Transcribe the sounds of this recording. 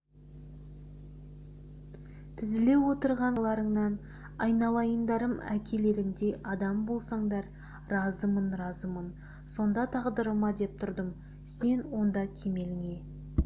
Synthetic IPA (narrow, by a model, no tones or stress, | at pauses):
t̪ʰɪzɪle̞wo̞t̪əɾʁɑɴlˠɑɾəɴnɑn | ɑjnɑlˠɑjənd̪ɑɾəmækʲʰe̞le̞ɾɪŋd̪e̞ʔɑd̪ɑmbolˠsɑɴd̪ɑɾ | ɾɑzəmənɾɑzəmən | so̞nd̪ɑt̪ʰɑʁd̪əɾəmɑd̪e̞p̚t̪ʰʊɾd̪əm | se̞nwo̞nd̪ɑkʲʰe̞me̞lɪŋe̞